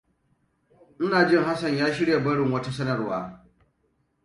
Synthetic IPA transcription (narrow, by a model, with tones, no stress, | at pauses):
n̩˦naː˨d͡ʒɪ˦ŋɦa˦sɐ˨ɲjaː˦ʃɪ˦ɽja˨bɐ˦ɽɪ˨ŋwɐ˦ta˦sɐ˦nɐ˨rwa̰ː˦